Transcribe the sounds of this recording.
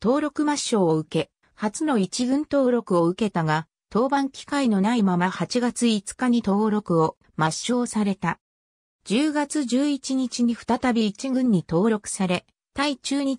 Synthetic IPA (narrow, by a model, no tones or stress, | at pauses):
t̪o̞ːɾo̞kɯ̟maɕːo̞ːɯ̟ke̞ | hat͡sɨno̞it͡ɕiɡɯ̟̃nt̪o̞ːɾo̞kɯ̟o̞ɯ̟ke̞t̪aɡa | t̪o̞ːbãŋkʲi̥kaino̞naimamahat͡ɕiɡat͡sɨit͡sɨ̥kaɲ̟it̪o̞ːɾo̞kɯ̟o̞ | maɕːo̞ːsaɾe̞t̪a | d͡ʑɨːɡat͡sɨʑɨːit͡ɕiɲ̟it͡ɕiɲ̟iɸɯ̟̥t̪at̪abʲiːt͡ɕiɡɯ̟̃ɲ̟ːit̪o̞ːɾo̞kɯ̟̥saɾe̞ | t̪ait͡ɕɨːɲ̟i